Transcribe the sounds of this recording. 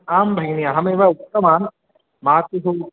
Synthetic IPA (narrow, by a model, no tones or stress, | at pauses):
aːmbʱɐɡniaɦɐmeːʋaukt̪ɐmaːn | maːt̪uɦoː